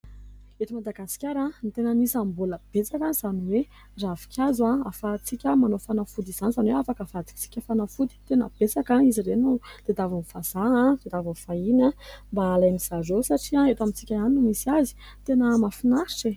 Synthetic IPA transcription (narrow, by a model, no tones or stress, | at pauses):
et̪imad̪aɡasi̥kʲaɾãnt̪enənisambuləb̥et͡sakaz̥aniwe | ravi̥kʲazwãafat͡sikʲəmanofanafud̪iz̥anizanweafakəfad̪i̥t͡si̥kʲəfanafud̪it̪enə̰b̥esakãizirenud̪̥ed̪avaufaz̥aãd̪̥ed̪avafainambaːlajmiz̥azosaʈ͡ʂiãet̪amit͡sikʲaaninumisiazi̥ | t̪enəmafinaʃe